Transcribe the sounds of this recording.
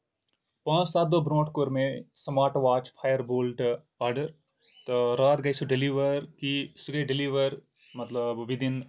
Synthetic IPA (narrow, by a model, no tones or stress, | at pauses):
pãːt͡ʃsaːt̪̚d̪oːbɾõːʈkoːɾmẽsɐmaːʈʋaːt͡ʃpʰaːjəɾboːlʈ | aːɾɖəɾ | t̪oɾaːt̪ɡɐisoɖeliːʋəɾkisuɡɐiɖɪliːʋəɾ | mɐt̪ləbʋid̪ɪn